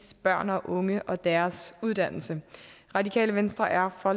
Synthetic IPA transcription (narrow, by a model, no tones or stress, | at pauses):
sb̥ɶɐ̰nɒ̽ʔɔ̽ŋəʔɒ̽d̥æɐsuð̞ˠd̥æn̰l̩sə | ʁɑ̈dikʰɛ̰ːləʋensd̥ʁɐʔæɐfɒ̽